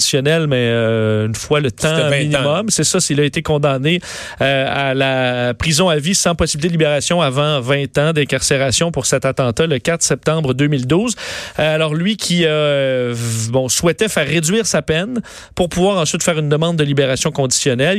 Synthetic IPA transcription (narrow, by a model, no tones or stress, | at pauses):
isjɔnɛlmɛøynfwalət̪ãm̃inĩmɔmsɛsasilaet̪ekɔ̃d̪ane | øalapʁizɔ̃avisɑ̃pɔsibilit̪ed̪libeʁasjɔ̃avɑ̃vɛ̃t̪ɑ̃d̪ɛ̃kaʁseʁasjɔ̃pʊʁsɛt̪at̪ɑ̃t̪aləkat̪χsɛp̚t̪ɑ̃bʁəd̪ømild̪uːzalɔːʁlɥikʲʰia | bɔ̃swɛt̪ɛfɛːʁːed͡zɥiːʁsapɛn | pʊʁpuvwaːʁɑ̃sɥ̥ɪt̪fɛːʁynd̪əmɑ̃d̪̚ːəlibeʁasjɔ̃kɔ̃d̪i̥sjɔnɛl